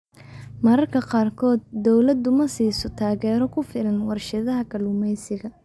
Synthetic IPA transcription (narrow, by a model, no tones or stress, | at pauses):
mɐɾɐrkʰɐqɑːrkʰɔːd̪̚ːɔwlɐd̪ʊmɐsiːsɔt̪ʰaːɣɛːɾɔkʰʊfɪlɐnwɑrʃɐðɐɦɐkʰɐlʊmɛjsɪɣɐ